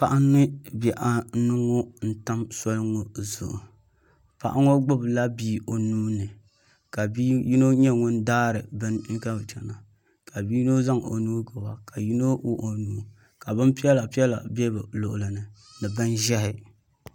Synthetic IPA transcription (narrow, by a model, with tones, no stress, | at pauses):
pa˨ʔa˦nːɨ˦bɛ˨ʔa˨˦nɨ˦ŋo˦n̩˦ta˦msɔ˦lɨ˦ŋo˨zʊ̰˨ʔʊ˨ | pa̰˨ʔa̰˦ŋo˦ɡ͡bʊ˦bla˦biː˦ʔo˨nuː˦nɨ˨ | ka˨bi˦ji˦no˦ɲɛ˦ŋʊ˦n˦daː˦ɾɨ˨bɨ˦n̩˦ɡa˦bt͡ʃɛ˨na˨ | kʰa˨biː˦no˦za˦ŋo̰˨nuː˦ɡɨ˨wa˨ka˨ji˦no˦wo˦ʔo˨nuː˦ | ka˨bɨ˦npi˦ɛ˦la˨pi˦ɛ˦la̰˨bɛ˦bɨ˨lʊ˨ʔʊ˨lɨ˨nɨ˨ | nɨ˨bɨ˦nʒɛ˦ɦɪ˨